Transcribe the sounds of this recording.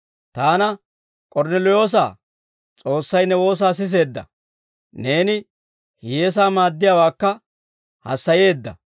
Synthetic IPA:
t̪aːnɐ | kʼɔɾnɛlɔjo̞ːs̬a̰ː | t͡sʼo̞ːsːɐjnɛwo̞ːs̬aːs̬ɪs̬e̞ːd̪ːɐ̰ | ne̞ːnɪ | hɪjes̬aːmaːd̪ːɪjawaːkːɐ | hɐ̰sːɐje̞ːd̪ːɐ̰

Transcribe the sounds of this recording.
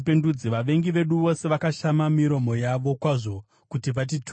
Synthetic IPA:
pendud͡ziʋaʋe̞ŋɡiʋe̞ɗuʋo̞se̞ʋakaʃamamiɾo̞mo̞jaʋo̞kwaʐo̞ | kutiʋat̬it

